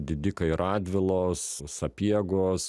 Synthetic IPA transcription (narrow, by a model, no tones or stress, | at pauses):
d̪ʲɪd̪ʲɪkɐɪɪɾɑːd̪ʲʋʲɪlˠoːssɐpʲiɛɡoːs